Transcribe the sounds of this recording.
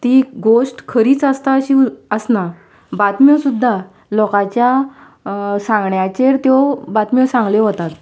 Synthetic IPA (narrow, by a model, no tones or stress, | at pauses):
t̪iɡoʂʈkʰəɾiːt͡səst̪aɕiəsna | bat̪miwsud̪ʱːa | lɔkat͡ɕja | sãŋɡɳjat͡ɕeɾt̪jobat̪misãŋɡleɦot̪at̪